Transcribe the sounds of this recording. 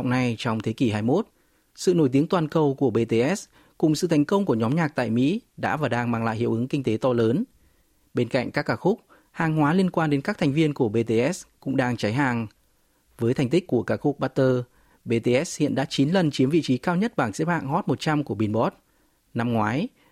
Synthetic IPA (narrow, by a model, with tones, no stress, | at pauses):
wŋ͡mna˧jt͡ɕɔ˧wŋ͡mt̪ʰe˨˦ki˧˩ɦaː˧jmo˦˥t̚ | sɨ̰˧˨no˧˩jt̪̬i˨˦əŋt̪waː˨˩nkə˨˩wku˧˩əɓe˧t̪e˧ʔɛ˦˥s | kʊ˨˩ŋ͡msɨ̰˧˨t̪ʰjŋ̟kə˧wŋ͡mku˧˩ɲɔ˨˦mɲaː˨˩k̚t̪a̰ː˧˨jmḭ˧˥ɗa̰ː˧˥vaː˨˩ɗaː˧ŋmaː˧˩ŋla̰ː˧˨jhḭ˧˨wʔɨ˨˦ŋkï˧ŋ̟t̪e˨˦t̪ɔ˧ləː˨˦n | ɓe˧nka̰˧˨ŋ̟kaː˦˥kːaː˧˩xʊ˦˥k͡p̚ | haː˨˩ŋhwaː˨˦li˧ənkwaː˧nɗe˨˦nkaː˦˥k̚t̪ʰa˨˩jŋ̟vi˧ənku˧˩əɓe˧t̪e˧ʔɛ˦˥skʊ̰˧˥ŋ͡mɗaː˧ŋt͡ɕa˨˦jɦaː˨˩ŋ | vəː˨˦jt̪ʰɛ˨˩jŋ̟t̪ï˦˥k̚ku˧˩əkaː˧˩xʊ˦˥k͡p̚ɓaː˧˥t̪əː˧ | ɓe˧t̪e˧ʔɛ˦˥s̚hḭ˧˨ənɗa̰ː˧˥t͡ɕi˨˦nlə˨˩nt͡ɕi˨˦əmvḭ˧˨t͡ɕi˨˦kaː˧wɲə˦˥t̚ɓaː˧˩ŋsḛ˦˥pha̰ː˧˨ŋhɔ˦˥t̚mo˨˩t̚t͡ɕa˧mku˧˩əɓi˧˩nɓɔ˦˥t̚ | na˧mŋwaː˨˦j